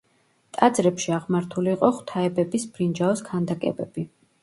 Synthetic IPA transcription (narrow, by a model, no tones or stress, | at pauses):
t̪ʼad̪zɾɛpʃiaʁmaɾt̪ʰuliːqʼɔχwt̪ʰaɛbɛbisbɾind͡ʒaɔskʰand̪akʼɛ̰bɛbi